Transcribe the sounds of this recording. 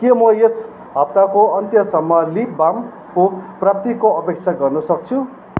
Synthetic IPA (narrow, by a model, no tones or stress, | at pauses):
kemʌjes | ɦʌp̚t̪akoʌnt̪jʌsʌmːʌlip̚bam | koprap̚t̪ikoʌpek̚t͡sʰaɡʌrnʌsʌk̚t͡sʰũ